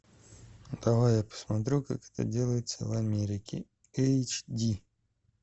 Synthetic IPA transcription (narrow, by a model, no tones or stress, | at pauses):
t̪avojapə̥smat̪̬ɾʲuka̰kɛ̥t̪ə̰dʲelˠəjɪt̪sə̰vamʲeɾʲɪkʲɪ̰ | ɛt͡ʃdʲi